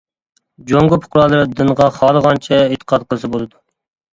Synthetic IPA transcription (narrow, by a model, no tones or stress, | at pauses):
d͡ʒoŋɡʊpʰʊ̥qɾɑːlˠɨɾd̪ɨnʁɑχɑːlˠəʁɑnt͡ʃʰɛet̪ʰːə̥qʰɑt̪̚qʰəlˠɨsɨbolˠɨd̪u